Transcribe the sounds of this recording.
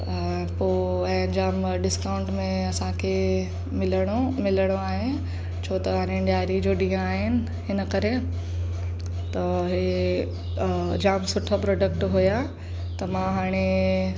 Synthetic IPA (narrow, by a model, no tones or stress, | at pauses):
poːɛ̃ːd͡ʑaːm | ɖɪskaːʊ̃ɳʈmẽɐsãkʰe | mɪləɽ̃omɪləɽ̃oaːɦe | t͡ɕʰoːt̪ɐɦaːɾẽɖjaːɾid͡ʑoːɗĩːɦãaːɦɪnɪ̆ | ɦɪnəkɐɾe | t̪ɐɦe | d͡ʑaːmsʊʈʰapɾɔːɖək̚ʈɦuja | t̪ɐmãɦaːɽ̃e